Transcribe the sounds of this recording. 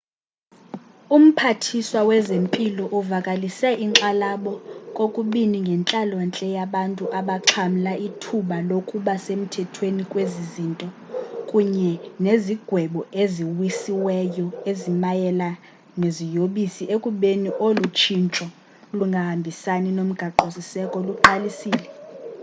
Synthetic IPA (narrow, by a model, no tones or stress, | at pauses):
um̩pʰatʰiswawɛzempʼilɔʔuvakʼalisɛʔiŋǁalaɓɔkʼokʼuɓiniŋɡʱɛnt͡ɬʼalwant͡ɬʼɛjaɓantʼuʔaɓaǁʰam̩laitʰuɓalokʼuɓasem̩tʰɛtʰwenikʼwezizintʼɔ | kʼuɲɛneziɡ̥ʱwɛɓɔeziwisiwɛjɔezimajɛla | nezijoɓisiʔekʼuɓeniʔolut͡ʃʰint͡ʃʼɔ | luŋɡʱahambʱisaninom̩ɡ̥ʱaǃosisɛkʼɔluǃalisiːlɛ